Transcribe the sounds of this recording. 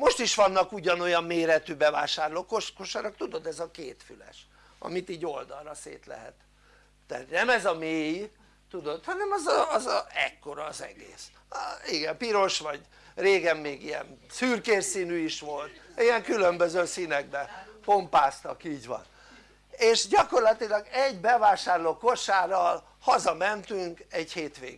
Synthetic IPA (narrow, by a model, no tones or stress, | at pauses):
mo̞ʃt̪iʃʋɒnːɒkuɟɒno̞jɒmːeːɾɛt̪ybɛva̰ːʃaːrlokokoʃaɾɒkt̪ud̪o̞d̪ɛzɒkḛːt̪fylɛ̰ʃ | ɒ̰mit̪iːɟo̞ld̪ɒlrɒsḛːt̪lɛ̰ɦɛ̰t̪ | d̪ɛ̰ːt̪nɛmɛzɒmeːj | t̪ud̪o̞t̪hɒnɛmɒzːzɒɛ̰kːo̞ɾɒːzɛ̰ɡḛːs | iɡɛmpiɾo̞ʃʋɒɟ | reːɡɛmːeːɡijɛ̰nsyːrkeːrsinyiʃʋo̞lt̪ijɛŋkylømbøzøːsinɛɡ̚bɛpo̞mpaːst̪ɒkiːɟʋɒ̰n | eːʃɟɒko̞rlɒt̪ilɒɡɛɟbɛvaːʃaːrloːko̞ʃaːɾɒl | hɒzɒmɛnt̪yŋkɛɟheːt̪ʋḛːɡ